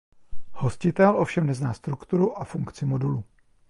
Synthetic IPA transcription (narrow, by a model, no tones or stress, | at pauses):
ho̞scɪt̪ɛlʔo̞fʃɛmnɛznaːst̪ɾukt̪uɾuʔafuŋkt͡sɪmo̞duluː